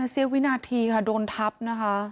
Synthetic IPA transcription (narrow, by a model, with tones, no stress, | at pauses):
a˧si˧˦wi˦naː˧t̪ʰiː˧kʰa˧˩doː˧nt̪ʰa˦˥p̚na˧kʰa˧˥